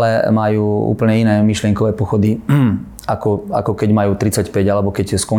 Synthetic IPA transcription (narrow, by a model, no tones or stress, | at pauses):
lɛmajuːṵːpl̩ɲɛinɛːmiʃlɪɛŋkɔʋɛːpɔxɔd̪i | akɔa̰kɔkɛɟmajuːt̪ɾit͡sacpɛɟalɛbɔkɛcskɔ